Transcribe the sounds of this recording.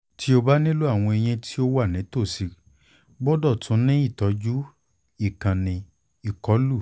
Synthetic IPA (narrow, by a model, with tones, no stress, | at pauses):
tʰi˦o˧ba˦nĩ˦lu˦a˦˨w̃ɔ̃˧e˧j̃ɛ̃˧tʰi˦o˦wa˦˨nĩ˨˦to˦˨si˨˧ | bɔ˦dɔ˦˨tũ˨˦nĩ˦i˦˨tɔ˨˧d͡ʒu˦ | i˦˨kã˨nĩ˧ | i˨kɔ˨˦lu˦˨